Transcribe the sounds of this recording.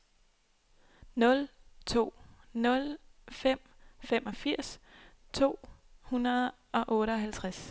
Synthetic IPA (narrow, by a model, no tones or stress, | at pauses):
nɔ̽lt͡sʰo̝̰ːnɔ̽lfem̰ | femʔɒ̽fiɐ̰st͡sʰo̝̰ːhunɐðˠ | ʔɒ̽ʔɔ̽ːɾəɒ̽ɦælt͡sʰʁas